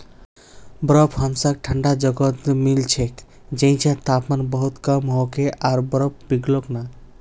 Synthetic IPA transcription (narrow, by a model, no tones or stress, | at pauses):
bɾɔpʰhɔmsak̚ʈʰəɳɖad͡ʒɔɡɔt̪milt͡ʃʰek | d͡ʒẽj̃t͡ʃʰãt̪apmanbɔɦut̪kamɦɔkeʔaɾbɾɔp̚ʰbiɡlɔkna